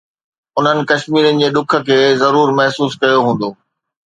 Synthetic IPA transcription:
ʊn̤ənɪ̆kɐʃmiːɾənɪ̆d͡ʑeːɗʊkʰə̆kʰeːzɐɾuːɾmɐɦsuːskɐjoɦũːn̆d̪oː

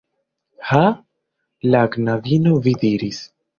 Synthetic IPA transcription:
ha | laɡnavinovidiɾis

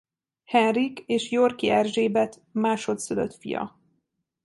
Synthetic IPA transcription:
hɛnrikeːʃjorkiɛrʒeːbɛt̪ | maːʃo̞t̪søløt̪fḭjɒ̰

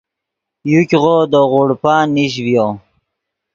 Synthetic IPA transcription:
jukʲʁod̪əʁuɽpaniɕ̬vjo

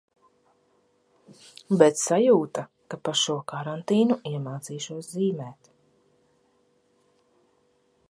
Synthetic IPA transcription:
bɛt̪sajuːt̪a | kapaʃuɔkaɾant̪iːnuiɛmaːt̪siːʃuɔsziːmɛːt̪

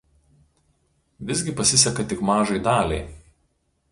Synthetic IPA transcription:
ʋʲɪzʲɡʲɪpɐsʲɪsʲɛkɐt̪ʲɪkmɑːʒɐɪd̪ɑːlʲɛɪ

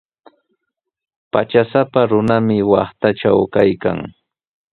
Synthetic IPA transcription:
pat͡ʃasapaɾʊnamɪwɑχt̪at͡ʃawkajka̰ŋ

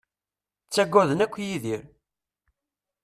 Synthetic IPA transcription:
t͡sːæɡʷːæðənækʷːjiðiɾ

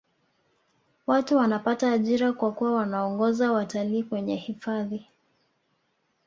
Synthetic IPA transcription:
watuwanapataːʄiɾakwakuwawanaɔŋɡɔzawataliːkwɛɲɛhifaði

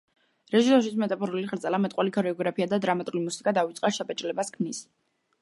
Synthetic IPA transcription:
ɾɛʒisɔɾʃit̪sʰmɛt̪ʼapʰɔɾuliχɾt̪sʼɛlamɛt̪ʼqʼwalikʰɔɾɛɔɡɾapʰiad̪ad̪ɾamat̪ʼulimusikʼad̪avit̪sʼqʼaʃapʼɛt͡ʃʼlɛbaskʰmnis

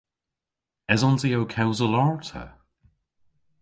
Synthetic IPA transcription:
ɛzɔ̃nzioʊkʰɛwzəlɑɹtʰə̰

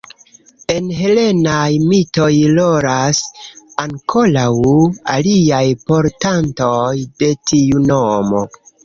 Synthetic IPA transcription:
e̞nɦe̞le̞najmito̞jloɾasaŋkʰo̞lawa̰liajpo̞ɾtantojde̞tʰiunomo̞

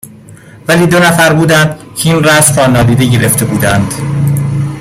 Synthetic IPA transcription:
væliːd̪onæfæɾbuːd̪ænd̪cʰeiːnræsɾɒːnɒːd̪iːd̪e̞ɟe̞ɾe̞ft̪ʰe̞buːd̪ænd̪̥

